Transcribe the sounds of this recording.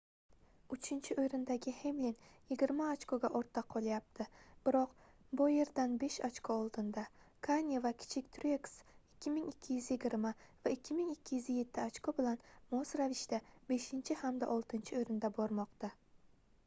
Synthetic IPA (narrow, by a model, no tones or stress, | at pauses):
ʊt͡ʃʰɪnt͡ʃʰɪʔojɾɪnd̪aɡʲɪhemlinjɪɡʲɪɾmaːt͡ʃkʰoɡʲaʔoɾt̪ʰːaqʰːɒlˠajap̚t̪ʰɪb̥ɪɾɒq | bʊje̞ɾd̪anbe̞ʃat͡ʃkʰoɒlˠd̪ɪnd̪a | kʰanʲevakʲʰɪ̥t͡ʃʰɪkʲt̪ʰɾʲeksɪkʲːɪmɪŋɪkʲʰːɪjyzjɪɡʲɪɾmavaɪkʲʰːɪmɪŋɪkʲʰːɪjyzje̞t̪ʰːɪat͡ʃkʰobɪlanmosɾavɪʃt̪abe̞ʃɪnt͡ʃʰɪhamd̪a̰ʔɒlˠt̪ʰɪnt͡ʃʰɪojɾɪnd̪abɒɾmɒqt̪a